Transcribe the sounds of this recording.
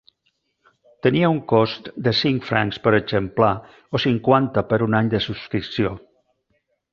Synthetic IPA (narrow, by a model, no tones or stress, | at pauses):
t̪əniəuŋkost̪d̪əsiŋkfɾaŋspəɾəzəmpla | osiŋkwant̪əpəɾunaɲd̪əsuskɾiksio